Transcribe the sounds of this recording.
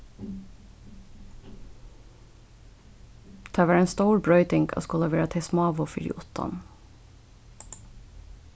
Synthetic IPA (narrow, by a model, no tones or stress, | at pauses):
t̪ʰɑːʋæːɹeːnst̪oʊɹbɹœʏt̪ɪŋɡʰɑ̰ːskoːlɑʋeːɹɑt̪ʰɛsmɑːʋʊfɪ̰ɾɪ̰ʔṵt̪ɑ̰n